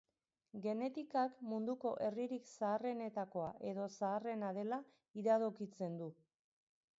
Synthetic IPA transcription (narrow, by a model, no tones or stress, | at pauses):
ɡe̞ne̞t̪ikakmund̪uko̞ʔe̞riɾiksaːre̞ne̞t̪ako̞aʔe̞ðo̞saːre̞naðe̞la | iɾaðokit͡se̞nd̪u